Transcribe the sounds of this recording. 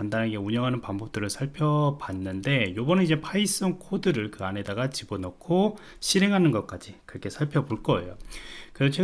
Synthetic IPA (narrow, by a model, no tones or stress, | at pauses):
andanɦaɡe̞uɲʌŋɦanɯnpaŋmbʌp̚t͈ɯɾɯɭsʰaɭpʰjʌpanːɯnde̞jobʌnɯnid͡ʑepʰais͈ʌŋkʰodɯɾɯɭkɯane̞daɡat͡ɕibonʌkʰo | ɕʰiɾe̞ŋɦanɯnɡʌk͈ad͡ʑikɯɾʌkʰe̞sʰaɭpʰjʌboɭk͈ʌe̞̰jo̰kɯɾesʰot͡ɕʰe